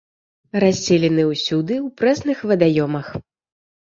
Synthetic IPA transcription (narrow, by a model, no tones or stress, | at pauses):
ɾasʲːɛlʲɛnɨwsʲud̪ɨwpɾɛsnɨxvɐd̪ajɔmɐx